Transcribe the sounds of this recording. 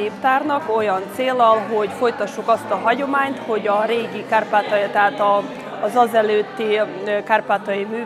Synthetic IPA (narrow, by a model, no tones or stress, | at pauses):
eːpt̪aːrnɒko̞jɒnt̪seːlːɒlɦo̞ɟfo̞jt̪ɒʃːukɒst̪ɒɦɒɟo̞maːɲt̪ho̞ɟɒɾeːɡikaːrpaːt̪ɒt̪ɛɦaːt̪ɒː | zɒzɛløːt̪ːi | kaːrpaːt̪ɒjimyː